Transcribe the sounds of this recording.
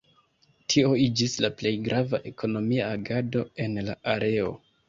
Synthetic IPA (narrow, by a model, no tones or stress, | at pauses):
tʰio̞id͡ʒislaple̞jɡɾʔavaʔe̞kʰo̞no̞miaːɡado̞e̞nlaʔaɾe̞o̞̰